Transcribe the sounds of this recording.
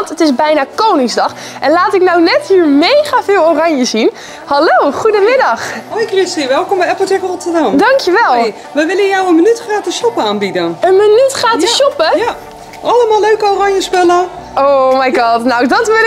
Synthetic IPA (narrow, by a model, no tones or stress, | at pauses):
ntətɪzbɛjnaːkownɪŋzdɑχ | ɛnlaːtɪknɔwnɛthiːɹmejχavɪːlˠorɑɲjəzin | hɑlowχudəmɪdɑχokrɪsiʋɛlˠkɔmbɛɛpl̩ˠtɛkrɔtəɹdɑmdɑŋkjəʋɛlˠj | ʋəʋɪlənjawənmənytχaːtəʃɔpəaːnbidənənmənytχaːtəɔpəja | ʔɑləmaːløɥkəorɑɲjəspɛlə | omajɡɑːtnawdɔtʋɪl